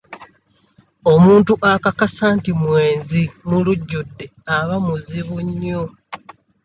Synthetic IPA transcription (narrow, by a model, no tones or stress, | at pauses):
o̞muːntuʔakakasaːntimwe̞ːnzimuluɟːudːe̞aβamuziβuɲːo